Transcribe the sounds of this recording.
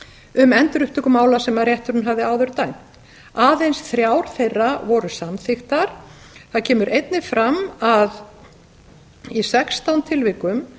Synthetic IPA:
ʏmɛnt̪ɾʏhpt̪ʏkʏmaːwlasɛmaɾjɛht̪ʏɾunɦavðɪaːwðʏɾt̪aːjm̥t̪ | aːðejnsθɾjawɾ̥θejrːavɔɾʏsamθɪxt̪aɾ̥ | θaðcʰɛːmʏɾʔejt̪nɪfɾamað | isɛkst̪awnt̪ʰɪlvɪkʏm

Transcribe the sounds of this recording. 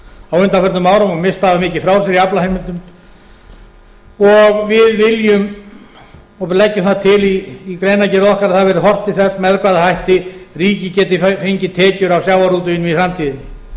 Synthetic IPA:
awʏnt̪afœɾt̪nmaːwɾamamɪst̪haðamɪːcɪfɾaws̬ɛɾiaplahejmɪnt̪ːʏm | ɔɣvɪðvɪljʏm | ɔlɛcːʏmθaðt̪ʰɪliːkɾejnacɛːɾɔhkaɾaðθaðvɛːɾʏhɔr̥t̪ɪθɛsmɛðkvaðahajht̪ɪriːcɪcɛːt̪ɪfeɲcɪt̪ʰɛːcʏɾawsjawvaɾuːt̪ʏɪniθɾamt̪ʰiːðɪnɪ

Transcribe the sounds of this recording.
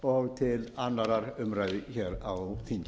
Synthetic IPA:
ɔɣt̪ʰɪlanːaɾaɾʏmɾaːjðɪçɛːɾawθiɲc

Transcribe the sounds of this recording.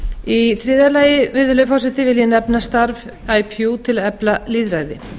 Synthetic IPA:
iθɾɪːðalaːjɪmɪɾðʏlœfawsɪt̪ɪvɪljɛnɛpnast̪aɾv | aːjpʰjut̪ʰɪlɛplaliːðɾaːjðɪ

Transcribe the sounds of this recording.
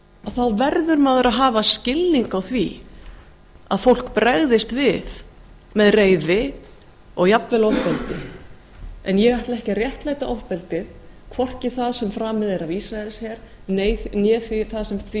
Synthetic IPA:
aθaðvɛɾðʏɾmaːðʏɾʔaðɦaːvascɪlːiŋkawθvi | a̰ðfowl̥kpɾaɣðɪst̪vɪð | mɛðreːjðɪ | ɔɣjapvɛlɔvpɛlt̪ɪ | ɛnjɛɣajht̪laɛhcɪrjɛht̪laːjt̪aʔɔvpɛlt̪ɪð | kʰvɔr̥cɪθaðsɛmfɾaːmɪðɪɾavisɾaɛlshɛɾ̥ | neːjnjɛːθvɪθaðsɛmθ

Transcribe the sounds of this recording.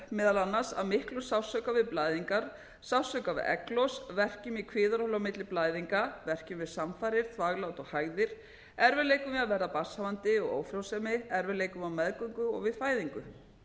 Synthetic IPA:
mɛːðalanːasa̰ðmɪhklʏmsawsœkavɪðplaːjðiŋkaɾ̥ | sawsœkavɪ̰ɛ̰klɔsvɛr̥cʏmikʰvɪːðaɾɔhlawmɪt̪lɪplaːjðiŋkavɛr̥cɪmvɪðsamfajɾɪɾ̥θʰvaːɣlawt̪ɔɣhaːɣðɪɾ̥ | ɛɾvɪðleːjkʏmɪaðvɛɾðapḁsavant̪ɪɔɣo̰ːwfɾawsɛmɪɛɾvɪleːjkʏmawmɛðkʏŋkʏɔ̰ɣvɪðfaːjðiŋkʏ

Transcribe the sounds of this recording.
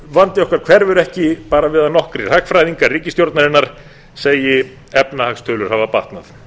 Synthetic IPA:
vant̪ɪɔhkvaɾkʰv̥ɛɾvʏɾɛhcɪpaːɾavɪːðanɔhkɾɪr̥akfɾajðiŋkariːcɪst̪jowɾt̪naɾɪnːaɾ̥ | seːjɪ | ɛpnahakst̪ʰœːlʏɾ̥havapaht̪naθ

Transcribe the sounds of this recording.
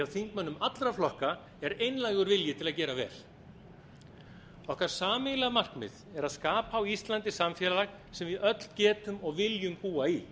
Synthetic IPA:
awθiŋkmanːʏmat̪lɾaflɔhka | ɛɾejnlajɣʏɾvɪljɪt̪ʰɪlaðcɛːɾavɛ̰ːl | ɔhkaɾ̥saːmɪlamar̥knmɪ̰ðɛɾaðskaːpaːwist̪lant̪ɪsamfjɛlalax | sɛmvɪðœt̪l̥cɛːt̪ʏmɔɣvɪljʏmhuːai

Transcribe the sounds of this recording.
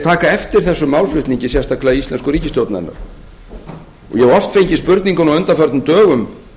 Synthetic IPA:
t̪ʰaːkaɛft̪ɪɾ̥θɛsːʏmaːwlflʏht̪niɲcɪsjɛst̪aklaðiist̪lɛnskʏɾiːcɪst̪jowt̪naðɛ̰nːa̰ɾ̥ | ɔ̰jɛɣɔft̪fejɲcɪspʏɾt̪niŋkʏnawœnt̪afœɾt̪nmt̪œːɣʏm

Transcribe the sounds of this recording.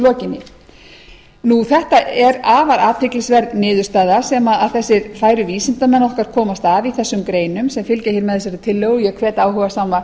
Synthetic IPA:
lɔːcɪnːɪ | nuθɛht̪aʔɛɾaːvaɾaːt̪ʰɪklɪsvɛɾðnɪːðʏɾ̥st̪aːðasɛmaːðθɛsːɪɾfaːjɾʏviːsɪnt̪amɛnːɔhkaɾ̥kʰɔːmast̪aviθɛsːʏmkɾeːjnʏmsɛmfɪlcaçɪɾmɛðɪs̬ɛɾɪt̪ʰɪlːœɣʏjɛkʰvɛːt̪aːwhœɣasaːma

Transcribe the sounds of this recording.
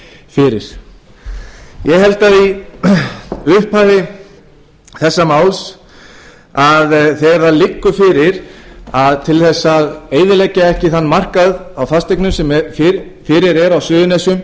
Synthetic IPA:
fɪɾɪɾ̥ | jɛɣɦɛlt̪aði | ʏhpaɾɪ | θɛsːamaːwls | aðθɛɣɾθaðlɪkːʏfɪɾɪɾaðt̪ʰɪlθɛsːaðeːjðɪlejcaɛhcɪθanːmar̥kaðawθast̪ejknʏmsɛmffɪɾɪɾɛɾawsʏːðʏnɛsʏm

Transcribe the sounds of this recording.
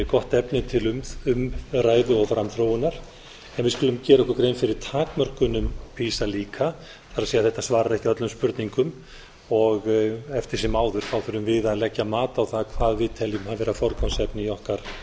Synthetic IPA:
kɔht̪ɛpnɪt̪ʰɪlʏmʏmraːjðʏɔɣfɾamθɾoːwɪnaɾ̥ | ɛnvɪðskʏlʏmcɛːɾɛhkʏɾkɾejnfɪɾɪɾ̥t̪ʰaːkmœr̥kʏnʏmpʰiːsaliːkʰa | faɾaðsejaθɛht̪asvaːɾaɾɛhcɪœt̪lʏmspʏɾt̪niŋkʏm | ɔɣɛft̪ɪɾ̥sɛmaːwðʏɾ̥θawfɪɾʏmvɪðaðlɛcːamaːt̪aːwθakʰvaːðvɪðt̪ʰɛljʏmhavɛɾafɔɾkansɛpnɪjɔhkaɾ̥

